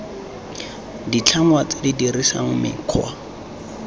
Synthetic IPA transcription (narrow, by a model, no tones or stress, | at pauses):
dit͡ɬʰaŋwat͡sɪdidirisa̰ŋ̩mɪ̰kʰwa